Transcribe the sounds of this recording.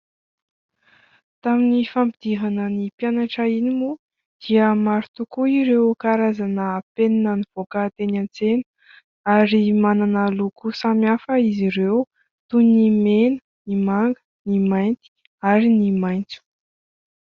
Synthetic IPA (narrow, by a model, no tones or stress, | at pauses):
t̪aminifambid̪̥iɦanənipjanaʈ͡ʂainimu | d̪̥iəmaɾut̪ukuiɾewkaɾazanəpeninəniv̥okət̪enant͡senə̥ | aɾimananəlukusamiafəiziɾew | t̪unnimenə | nimaŋɡə̥ | nimajnt̪i̥ | aɾinimajnt͡su̥